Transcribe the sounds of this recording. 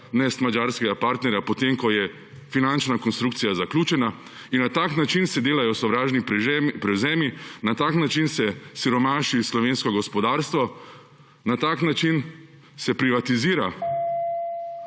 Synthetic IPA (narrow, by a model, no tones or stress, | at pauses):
nɛst̪mad͡ʒaːɾskɛɡapaːɾt̪nɛɾjapɔt̪emkɔjɛ | finant͡ʃnakɔnst̪ɾuk̚t̪sijazaklʲuːt͡ʃɛna | inːat̪aknat͡ʃinsɛd̪eːlajɔsɔʋɾaːʒnipɾɛzɛːminat̪aːknat͡ʃinsɛsiɾɔmaːʃislɔʋeːnskɔɡɔspɔd̪aːɾst̪ʋɔ | nat̪aːknat͡ʃin | sɛpɾiʋat̪iziːɾa